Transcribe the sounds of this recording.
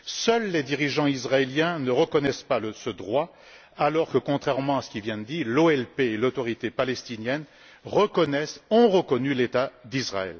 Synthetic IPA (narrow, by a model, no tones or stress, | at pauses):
sœlːed̪iʁiʒɑ̃izʁaeljɛ̃nəʁəkɔnɛspaləsəd̪ʁwa | alɔʁkəkɔ̃t̪χɛʁmɑ̃asə̥kʲivjɛ̃d̪əd̪iːʁloɛlpeːlot̪ɔʁit̪epalɛst̪injɛn | ʁəkɔnɛsɔ̃ʁəkɔnylet̪ad̪izʁa̰ɛ̰l